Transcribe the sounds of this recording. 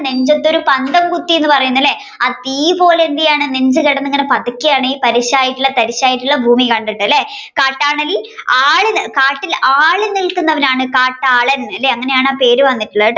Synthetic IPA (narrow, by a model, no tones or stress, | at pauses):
neɲd͡ʑɐt̪ːo̞ɾupɐnd̪ɐmkut̪ːije̞nːɨpɐrɐjunːɐlːe̞ | at̪iːpo̞ːleend̪ijaːɳɨneɲd͡ʑɨkeɽɐnːeŋːɐnepɐt̪ɐkʲːijaːɳɐjipɐɾiɕaːjiʈːuɭːɐt̪ɐɾiɕaːjiʈːuɭːɐbʱuːmikɐɳɖiɳːɨɐlːekaːʈːaːɳɐliaːɭɨkaːʈːilaːɭinilkunːɐʋɐnaːɳɨkaːʈːaːɭɐnɐlːeɐŋːɐne̞jaːɳaːpe̞ːɾuʋɐnːiʈːuɭːɐ